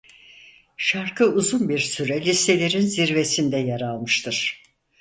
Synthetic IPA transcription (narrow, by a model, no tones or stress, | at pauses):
ʃaɾkʰɯuzunbiɾsyɾɛlʲist̪e̞lʲeɾinziɾvesind̪ɛjaɾalˠmɯʃt̪ʰɯɾ̥